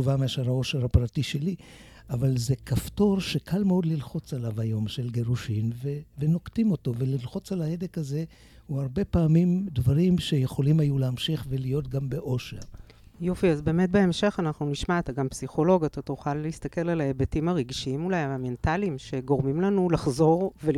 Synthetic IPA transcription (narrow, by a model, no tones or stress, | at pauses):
uvameaʃeʁhao̞ʃeʁhapʁatiʃe̞li | avalze̞kafto̞ʁʃekʰalmeo̞d̪lilχo̞t͡salavajo̞mʃe̞lɡeʁuʃinveveno̞ktimo̞to̞velilχo̞t͡salahedekaze̞ | huaʁbe̞paːmimdvaʁimʃe̞jeχo̞limajuleamʃiχve̞lijo̞tɡambe̞ʔo̞ʃea | jo̞fiazbe̞ːme̞t̚beemʃe̞χanaχnuniʃmaːt̪aɡampsiχo̞lo̞ɡat̪atuχaleist̪ake̞lalaebetimaʁiɡʃiimulajaame̞ntalimʃe̞ɡo̞ʁmimlanulaχzo̞ʁve